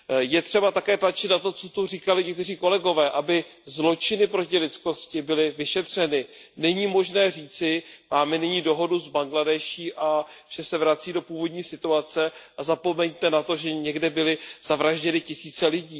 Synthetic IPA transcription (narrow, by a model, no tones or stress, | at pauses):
jɛt̪r̝̥ɛbat̪akɛːt̪lat͡ʃɪt̪nat̪o̞t͡so̞t̪uriːkalɪɲɛkt̪ɛriːko̞lɛɡo̞vɛːʔabɪzlo̞t͡ʃɪnɪpɾo̞cɪlɪt̪t͡sko̞scɪbɪlɪvɪʃɛt̪r̝̥ɛnɪnɛɲiːmo̞ʒnɛːriːt͡sɪmaːmɛnɪɲiːdo̞ɦo̞duzbaŋɡladɛʃiːʔaʒ̥ɛsɛvɾat͡siːdo̞puːvo̞dɲiːsɪt̪uat͡sɛʔazapo̞mɛɲt̪ɛnat̪o̞ʒɛɲɛɡdɛbɪlɪz̥avɾaʒɟɛnɪcɪsiːt͡sɛlɪɟiː